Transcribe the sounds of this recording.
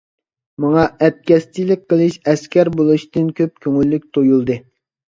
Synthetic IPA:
mɑŋɑʔɛt̪̚kʲɛst͡ʃ̪ilɪk̚ʲqʰəlˠɨʃɛskʲɛɾbolˠuʃt̪ɨnkʲʰøp̚kʲʰøŋylːyk̚ʲt̪ʰojulˠd̪ɨ

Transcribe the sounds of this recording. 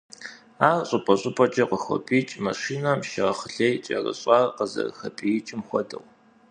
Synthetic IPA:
aːrɕʼɨpʼɐɕʼɪpʼɔt͡ʃʼɐqəxʷɔ̰pʼiːt͡ʃʼmɐʃiːnaːmʃɪʁɐχəɬejt͡ʃʼɐ̰rɐ̰ɕʼɑːrqəzɐ̰rxɐpʼijɪt͡ʃʼɪmxʷɔdɐw

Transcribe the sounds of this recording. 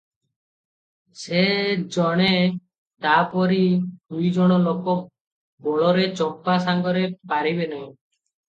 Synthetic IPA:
sed͡ʒɔɽ̃e | t̪apɔɾid̪ujd͡ʒɔɽ̃ɔlokɔ | bɔɭɔɾet͡ʃɔmpasaŋɡɔɾepaɾibenã

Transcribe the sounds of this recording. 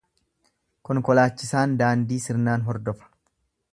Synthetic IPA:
kɔŋkɔlaːt͡ʃːɪsaːnd̪aːnd̪iːsɪɾnaːnɦɔɾd̪ɔfɐ̥

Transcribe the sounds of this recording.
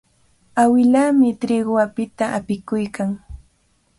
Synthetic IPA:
awɪlamɪt̪ɾɪɢwapɪt̪aʔapɪkʊjkaŋ

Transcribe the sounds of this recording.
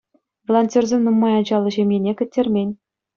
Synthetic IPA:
volˠonʲtʲorzʲemʲnumːɑjɑd͡ʑɑlˠːɤ̆ʑemʲjenʲekʲɘ̆tʲːerʲmʲenʲ

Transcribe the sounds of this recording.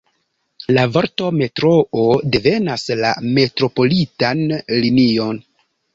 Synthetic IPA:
lavaɾto̞me̞tɾoode̞ve̞nasla̰me̞tɾo̞po̞litanlinio̞n

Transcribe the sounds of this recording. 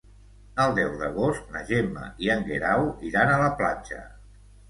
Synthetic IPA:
əlˠd̪ɛwðəɣ̞ost̪̚nəʒemə̰iəŋɡeɾawiɾanələplad͡ʒə̰

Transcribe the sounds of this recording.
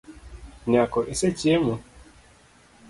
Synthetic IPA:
ɲakɔʔeset͡ʃiemu

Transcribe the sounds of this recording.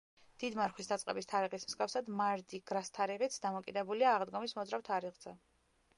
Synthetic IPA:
d̪̥id̪maɾχwisd̪at̪sʼqʼɛbist̪ʰaɾiʁismsɡkʼafsad̪maɾd̪iɡ̥ɾast̪ʰaɾiʁit̪sʰd̪amɔkʼid̪ɛbuliaːʁd̪ɡɔmismɔd̪zɾaft̪ʰaɾiʁzɛ

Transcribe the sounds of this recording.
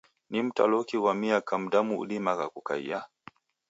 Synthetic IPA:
nim̩ta̰lɔkiwamiakam̩damṵːɗimakakuka̰ḭja

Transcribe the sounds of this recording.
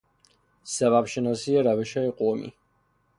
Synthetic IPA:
saβapʃɛnasiaɾavɛʃaɛqʼɔmḭ

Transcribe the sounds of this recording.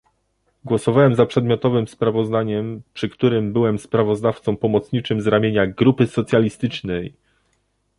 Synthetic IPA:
ɡwɔsɔvawɛmzapʂɛd̪mʲjɔt̪ɔvɘmspɾavɔzd̪aɲɛmpʂɘkt̪uɾɘmbɘwɛmspɾavɔzd̪aft̪sɔ̃w̃pɔmɔt̪sɲit͡ʂɘmzɾamʲjeɲaɡɾupɘsɔt̪sʲjalʲist̪ɘt͡ʂnɛj

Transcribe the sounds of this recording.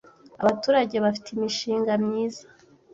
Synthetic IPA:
aβatuːɾaɟeβafi̥tʰimiʃiːŋɡamɲiːzḁ

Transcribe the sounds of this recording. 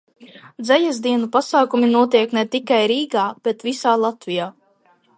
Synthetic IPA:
d̪zɛjɛzd̪iɛnupasaːkuminuɔt̪iɛknɛt̪ikajɾiːɡaːb̥et̪visaːlˠat̪vijaː

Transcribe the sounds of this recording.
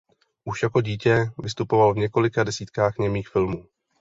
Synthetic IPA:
ʔuʃjako̞ɟiːcɛvɪst̪upo̞valvɲɛko̞lɪkadɛsiːt̪kaːxɲɛmiːxfɪlmuː

